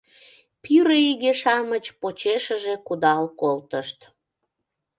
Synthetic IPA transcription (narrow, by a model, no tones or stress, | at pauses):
pyɾəiɣeʃɑmət͡ɕpot͡ɕeʃəʒekud̪ɑlkolt̪əʃt̪